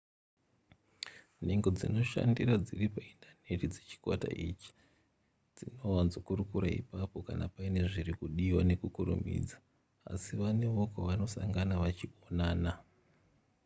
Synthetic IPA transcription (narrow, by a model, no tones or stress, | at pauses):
ne̞ŋɡo̞d͡zino̞ʃa̰ndirad͡ziripaindʰane̞tid͡zet͡ʃi̥kwata̰ʔit͡ʃi̥ | d͡zino̞wanzokurukuɾaḭpapo̞kanapaine̞ʐirikuɗiwane̞kukurṵmḭd͡za | a̰siʋane̞ʋo̞kwaʋano̞sa̰ŋɡanaʋat͡ʃio̞naːna